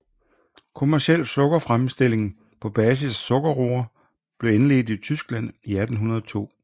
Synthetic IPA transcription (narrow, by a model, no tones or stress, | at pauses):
kʰomæɐɕel̰̥sɔ̽ɡ̥ɐfʁamsd̥e̝l̰e̝ŋn̩ | pʰɒ̽b̥ɛːs̬issɔ̽ɡ̥ɐʁo̝ɐ | b̥le̝enle̝̰ːð̩ˠit͡sʰysɡ̥læn̰iæd̥n̩ɦunɐð̞ˠɒt͡sʰo̝̰ː